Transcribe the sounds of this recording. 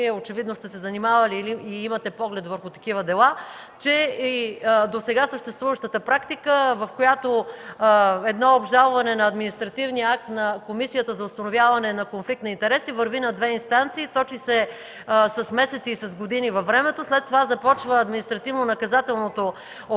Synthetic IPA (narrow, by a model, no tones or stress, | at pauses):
iɛot͡ʃɛvid̪nost̪ɛsɛzɐnimavɐliiimɐt̪ɛpɔɡlɛt̪vəɾxʊt̪ɐ̥kivəd̪ɛlˠa | t͡ʃɛid̪osɛɡasəʃt̪ɛst̪vuvəʃt̪ət̪əpɾakt̪ikəvɐfkojat̪o | ɛd̪nɔobʒalˠvɐnɛnɐːd̪minist̪ɾɐt̪ivniəak̚t̪nɐkomisijət̪əzɐʊst̪ɐnovjavɐnɛnɐkonflik̚t̪nɐint̪ɛɾɛsivɐɾvinɐd̪vɛinst̪ant̪siːt̪ɔt͡ʃisɛ | sɐsmɛsɛt̪siːsɐzɡod̪inivɐfːɾɛmɛt̪oslɛt̪ːovazɐpɔt͡ʃvəːd̪minist̪ɾɐt̪ivnonɐkɐzat̪ɛlˠnot̪o | o